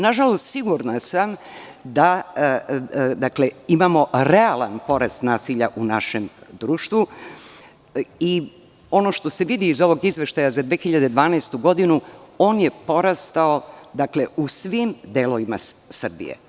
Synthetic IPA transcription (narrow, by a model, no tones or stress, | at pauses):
naʒalo̞st̪siɡuɾnasam | d̪a | d̪akle̞imamo̞ɾealanpo̞ɾast̪naːsiʎaʔunaʃe̞md̪ɾuːʃt̪ʋu | i | o̞noʃt̪o̞se̞ʋid̪iːzo̞ʋo̞ɡizʋe̞ʃt̪ajazad̪ʋeːxiʎad̪e̞d̪ʋaːnɛːst̪uɡo̞d̪inuo̞ːnje̞po̞ɾast̪aod̪akle̞usʋimd̪elo̞ʋimasr̩bḭjḛ